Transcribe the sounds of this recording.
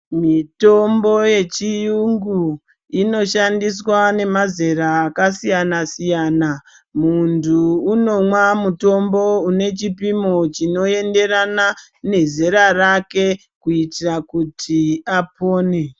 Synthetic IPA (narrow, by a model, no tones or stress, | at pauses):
mito̞mbo̞je̞t͡ʃijuŋɡu | ino̞ʃandis̬wane̞mazeɾaːkasijanasijana | muntuːno̞mwamuto̞mbo̞une̞t͡ʃipimo̞t͡ʃino̞e̞nde̞ɾana | ne̞zeɾarake̞ | kuitirakutʰiapoːne